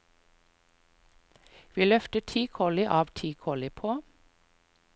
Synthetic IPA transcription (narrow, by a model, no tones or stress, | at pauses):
ʋiːlœft̪əʈt̪ʰiːkʰɔlɪʔɑːʋt̪ʰiːkʰɔlɪpʰoː